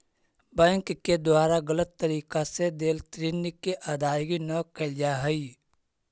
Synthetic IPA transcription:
bɛ̃ːŋkːed̪waːɾaɡələt̪ːəɾiːkased̪eːlt̪ɾinikeʔad̪aːjɡinəkəld͡ʒaɦəi

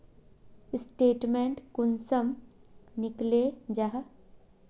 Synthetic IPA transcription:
sʈeːʈmẽɳʈkʊnsəmnɪkled͡ʒaɦ

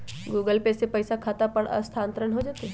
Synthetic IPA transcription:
ɡuːɡəlpesepəjsakʰaːt̪apəɽə̰st̪ʰaːnt̪ɾənɦod͡ʒaːt̪e

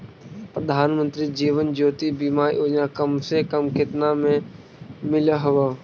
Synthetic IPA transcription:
pɾəd̪ʱaːnmə̃nt̪ɾiːd͡ʒiːʋənd͡ʒoːt̪ibiːmaːɾḭʔoːd͡ʒnakəmsekəmkɪt̪namẽ | mɪləɦɐʋaː

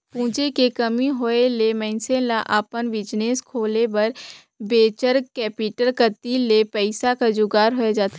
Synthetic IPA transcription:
pũːt͡ʃekekɐmiɦoelemɛ̃ɪnselaʔaːpənʋɪd͡ʒneːskʰoːlebɐɾ | beːt͡ʃəɾkɛːpɪʈəɾkət̪ilepɛɪsakad͡ʒʊɡaːɾɦoed͡ʒaːt̪ʰː

